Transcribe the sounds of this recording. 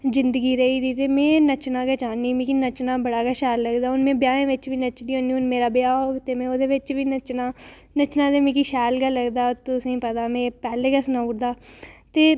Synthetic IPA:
zɪnd̪əɡiːɾəiːd̪iːt̪eːmẽːnət͡ʃnãːkɛːt͡ʃaːniːmẽːkinət͡ʃnaːbəɽaːɡaːʃɛːlːəɡd̪aːʊnmẽːbjaːẽːʋɪt͡ʃʋiːnət͡ʃd̪iːɦõːnd̪iːʊnmeːɾaːbjaːoːt̪eːmẽːoːd̪eːʋɪt͡ʃʋiːnət͡ʃnaː | nət͡ʃnãːd̪eːmẽːkiʃɛːlɡalːəɡd̪aːt̪ʊsẽːpət̪aːmẽːpɛːleːkəsənauɾd̪aːt̪eː

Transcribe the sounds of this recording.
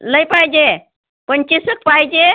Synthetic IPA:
ləjpajd͡ʒe | pənt͡ʃisɨk̚pajd͡ʒe

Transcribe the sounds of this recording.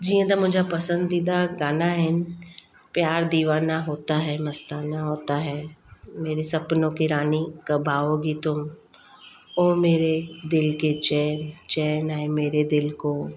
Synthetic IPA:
d͡ʒiːãd̪amʊ̃d͡ʒʱapɐsə̃nd̪id̪aɡaːnaɦɪn | pjaːɾd̪iːʋaːnaɦoːt̪aɦɛmɐst̪aːnaɦoːt̪aɦɛːmeːɾesɐpnõkiɾaːnikɐbʱaːoɡit̪ʊm | oːmeːɾed̪ɪlket͡ʃɛːnt͡ʃɛːnaẽmeːɾed̪ɪlkoː

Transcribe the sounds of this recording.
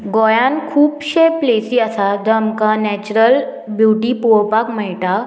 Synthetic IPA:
ɡɔjãnkʰuːpɕeplesiːasad̪əmkanɛt͡ɕɾəl | bjuʈipupakməjʈa

